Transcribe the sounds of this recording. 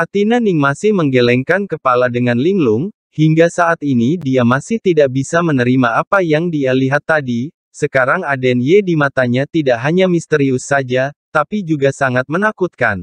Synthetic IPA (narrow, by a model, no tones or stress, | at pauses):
ʔat̪inanɪŋmasɪhməŋɡelɛŋkankəpaladəŋanliŋlʊŋ | hiŋɡasaʔat̪inidiamasɪht̪idaʔ̚bisamənəɾimaapajaŋdialiɦat̪ːadi | səkaɾaŋadɛnjedimat̪aɲat̪idaʔɦaɲamist̪əɾiusːad͡ʒat̪apid͡ʒuɡasaŋat̪̚mənakut̪̚kan